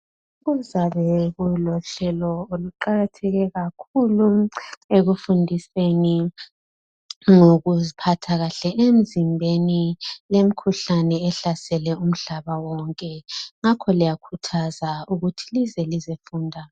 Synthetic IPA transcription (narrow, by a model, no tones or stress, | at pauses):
uɣuzaβɛɣulɔɬɛlɔoluǃaɣatʰɛɣɛɣakʰulueɣufundʱiseni | ŋoɣuzipʰatʰaɣaɬɛʔem̩zimbʱenilem̩kʰuɬanɛːɬasɛlɛum̩ɮaβawɔŋkʼɛŋakʰɔlijakʰutʰazauɣutʰi̥lizɛlizefuːndʱa